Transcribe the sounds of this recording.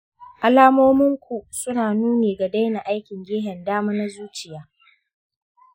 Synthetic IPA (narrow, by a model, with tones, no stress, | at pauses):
ʔa˨laː˦moː˦mɪ˦ŋkʷu˨sʊ˦naː˨nuː˦neː˨ɡa˨da˦jna˨ʔa˦jkʲɪ˨ŋɡʲeː˦ɦɛ˨ndaː˦maː˦na˦zuː˦t͡ʃɪ˨jaː˦